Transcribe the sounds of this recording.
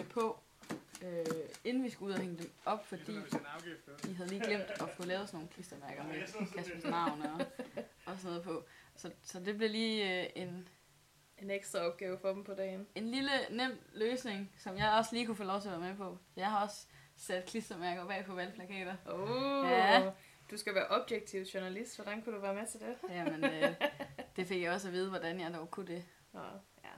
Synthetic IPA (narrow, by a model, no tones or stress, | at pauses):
pʰɒ̽ | øe̝nn̩ʋisɡ̥uuð̰ˠheŋəd̥emɒ̽b̥fɒd̥ḭː | d̥iɦæð̞ˠliːɡ̥lem̰d̥ɒ̽kʰulɛːʊsno̝ːn̩kʰlisd̥ɐmæɐɡ̥ɐmekʰæsb̥əsnɑ̈ʊnəɒ̽ɒ̽sɔnɔ̽ð̞̩ˠpʰɒ̽sɒ̽sɒ̽d̥e̝b̥le̝liːe̝n | eneɡ̥sd̥ʁɐɒ̽b̥ɡ̥ɛːʊfɒ̽d̥m̩pʰɒ̽d̥ɛ̰ːne̝nlilənem̰løːsne̝ŋsɒ̽mjɑ̈ɪɒ̽sliːkufo̰ːlɒʊt͡sʰe̝ɐʋæɐmepʰɒ̽jɑ̈ɪhɑ̈ɒ̽s | sæd̥kʰlisd̥ɐmæɐɡ̥ɒb̥ɛ̰ːpʰɒ̽ʋælpʰlækʰɛ̰ːd̥ɐoæ | d̥usɡ̥æʋæɐʔɒ̽b̥jeɡ̥̚t͡sʰiʊɕuɐnælisd̥ʋɒd̥ænkʰud̥uʋæɐmet͡sʰe̝d̥ejæmenød̥e̝fe̝ɡ̥jɑ̈ɪɒ̽s̬æʋiːð̞̩ˠəʋɒd̥ænjɑ̈ɪd̥ɒʊkʰud̥e̝ | jæ